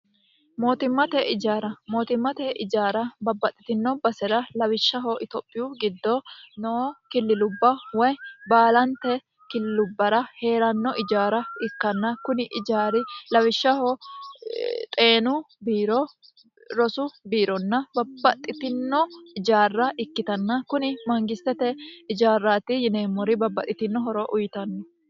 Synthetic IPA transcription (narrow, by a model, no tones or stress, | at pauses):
mo̞ːt̪ɪmːɐt̪ɛʔɪd͡ʒaːɾɐmo̞ːt̪ɪmːɐt̪ɛʔɪd͡ʒaːɾɐbɐbːɐt̪ʼːɪt̪ɪnːɔbɐsɛɾɐlɐwɪʃːɐɦoʔɪt̪ɔːpʼːɪjuːɡɪd̪ːɔnoːkɪlːɪlʊbːɐwɔjbaːlɐnt̪ɛ | kɪlɪlʊbːɐɾɐhe̞ːɾɐnːɔʔɪd͡ʒaːɾɐɪkːɐnːɐkʊnɪʔɪd͡ʒaːɾɪlɐwɪʃːɐhɔ | t̪ʼe̞ːnʊ | biːɾɔ | ɾɔsʊbiːɾɔnːɐbɐbːɐt̪ʼːɪt̪ɪnːɔɪd͡ʒaːrːɐʔɪkːɪt̪ɐnːɐkʊnɪmɐŋɡɪsɛt̪ɛɪd͡ʒaːrːaːt̪ɪjɪneːmːɔɾɪbɐbːɐt̪ʼːɪt̪ɪnːɔɦɔɾɔʔʊjt̪ɐnːɔ